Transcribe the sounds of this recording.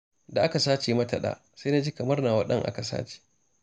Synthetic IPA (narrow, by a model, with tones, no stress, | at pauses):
da˨ʔa˦ka˨saː˦t͡ʃeː˨mɐ˦tɐ˨ɗa̰ː˨ | sa˦na˦d͡ʒi˦kɐ˨mɐ˦rnaː˨wa˦ɗɐ˦ŋʔa̰˦ka˨sa̰ː˦t͡ʃe̥ː˨